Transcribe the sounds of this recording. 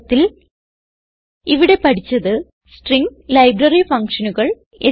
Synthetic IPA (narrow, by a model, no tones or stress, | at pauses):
t̪ːil | iʋiɽe̞pɐʈit͡ɕːɐðɨ | sʈriŋlɐjbrɐrifɐŋkʂɐnuɣɐɭ | e